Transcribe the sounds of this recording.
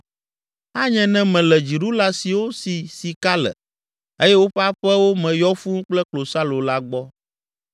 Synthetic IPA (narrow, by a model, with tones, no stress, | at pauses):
a˦ɲɛ̃˨nɛ̃˦mɛ̃˨lɛ˨d͡ʒi˨ɾu˦la˦si˨wo˦si˨si˨ka˦lɛ̰˨ | e˦jɛ˦wo˦ɸɛ˦a˦ɸɛ˦wo˦mɛ̃˨jɔ˦fu˦ŋ˦k͡plɛ˦klo˨sa˦lo˨la˦ɡ͡bɔ˦